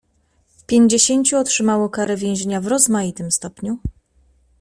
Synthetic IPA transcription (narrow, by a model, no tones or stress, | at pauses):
fpʲjeɲd͡ʑeɕeɲt͡ɕuɔtʂɘmawɔkaɾɛvʲjẽw̃ʑeɲavɾɔzmajit̪ɘmst̪ɔpɲu